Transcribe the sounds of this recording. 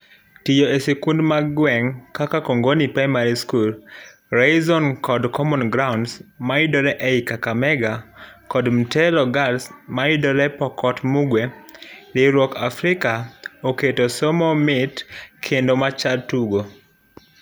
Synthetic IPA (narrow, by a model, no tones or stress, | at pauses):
tijoesekundmaɡwɛŋkakakoŋɡonipɾajmaɾiskul | ɾezɔnkɔdkʰɔmɔnɡɾawʊndsmaidɔɾɛʔɛikakamɛɡakɔdm̩tɛlɔɡalsmaidɔɾɛpɔkɔtmuɡwɛlɪɾwɔkafɾɪkaoketosɔmɔmɪtkʰendomat͡ʃaltuɡo